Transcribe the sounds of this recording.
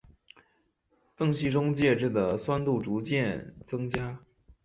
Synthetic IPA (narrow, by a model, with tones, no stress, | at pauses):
fɤ˥˧ŋɕi˥˩ʈ͡ʂʊ˥ŋt͡ɕjɛ˥˧ʈ͡ʂɻ̩˥˩d̪ə˩swa˥nt̪u˥˩ʈ͡ʂu˧˥t͡ɕjɛ˥˩nt͡sɤ˥ŋt͡ɕja˥